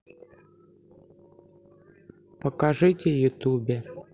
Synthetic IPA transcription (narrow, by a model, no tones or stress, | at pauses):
pəkɐʐɨtʲɪjʊt̪ubʲe